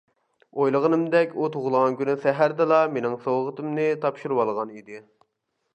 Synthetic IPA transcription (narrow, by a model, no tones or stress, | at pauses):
ojlˠəʁənɨmd̪ɛkʲut̪ʰoʁʊlˠʁɑnkʲynysɛɦæɾd̪ɨlˠɑmenɪŋsowʁət̪ɨmnɪt̪ʰɑpʃuɾwɑlˠʁɑnid̪ɪ